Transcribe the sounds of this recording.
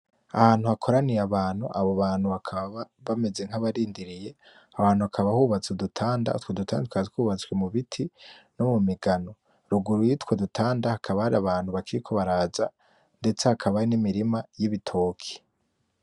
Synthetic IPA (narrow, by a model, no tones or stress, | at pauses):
a̰haːn̥huakʰo̞ɾanijaβaːnhṵʔaβoβaːn̥huβakʰaβaβaβame̞ze̞ŋ̥aβaɾiːndiɾije̞ | aβaːnhuakʰaβahuβat͡sudutʰaːnda̰twodutʰaːndtkaikwuβat͡swemuβitʰinomumiɡano̞ | ɾuɡuɾujitwodutʰaːndahakʰaβahaɾiaβaːn̥huβakiɾikʰo̞βaɾaːza | nde̞t͡sehakʰaβajinimiɾimajiβitʰo̞ːkʰi̥